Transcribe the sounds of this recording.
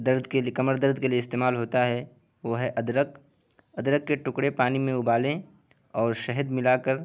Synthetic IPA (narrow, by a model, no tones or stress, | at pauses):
d̪əɾd̪ʱkekɐməɾd̪əɾd̪ʱkelieɪst̪eːmaːlɦoːt̪aɦɛ | ʋoːɦɛʔɐd̪ɾək | ɐd̪ɾəkːeʈʊkɽepaːnimẽʊbaːlẽ | ɔːɾʃɛɦəd̪mɪlaːkəɾ